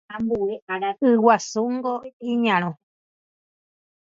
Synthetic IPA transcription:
ãmbueʔaɾaʔɨwasuŋɡoiɲãɾ̃õ

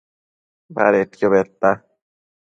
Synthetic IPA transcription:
ba̰ɾet̪kjoβet̪ːa

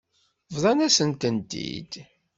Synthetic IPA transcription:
vðˤɑnæsənt̪ənt̪ḭd̪̥

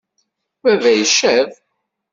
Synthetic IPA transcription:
wævæjəʃæv

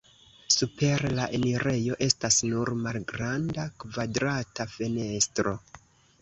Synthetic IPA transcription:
supe̞ɾlaʔeniɾe̞jo̞ʔe̞stasnuɾmalɡɾandakvadɾatafene̞stɾo̞

